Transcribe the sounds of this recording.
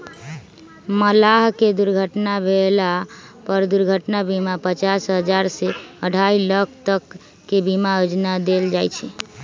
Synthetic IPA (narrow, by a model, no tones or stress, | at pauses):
məlaɦked̪uɾɡʱəʈnabʱelapəɾd̪uɾɡʱəʈnabimapət͡ʃasɦəd͡ʒaɾseəɖʱailəkʰt̪əkː | ebimaod͡ʒnad̪eld͡ʒajt͡ʃʰɛ